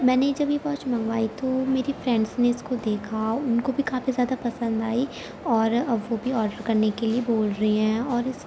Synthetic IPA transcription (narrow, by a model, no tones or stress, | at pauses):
mɛ̃ːned͡ʒɐbjebɔːt͡ʃmɐ̃ŋɡʋaːit̪omeːɾifɾɛ̃ɳɖzneɪskod̪eːkʰaʊnkobʱikaːfizjaːd̪apɐsə̃nd̪aːi | ɔːɾʋobʱiɔːɾɖəɾkɐɾnekelieboːlɾɐɦeɦɛ̃ːɔːɾɪs